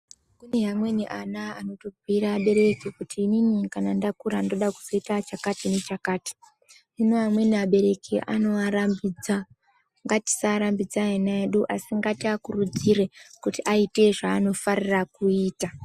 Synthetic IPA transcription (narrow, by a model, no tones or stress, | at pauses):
kuneɦamwe̞niʔanaa̰no̞to̞ɡʱiɾaːɓe̞ɾe̞kikutʰiːninikanandakuɾando̞ɗaku̥zo̞itat͡ʃakatine̞t͡ʃakaːti̥ | inoɦamwe̞niaɓe̞ɾe̞kiʔa̰no̞aɾambid͡za | ŋɡati̥saɾambid͡zaenaeɗuʔasiŋɡatiakurud͡zire̞kutiʔaite̞ʐaːno̞farirakuiːta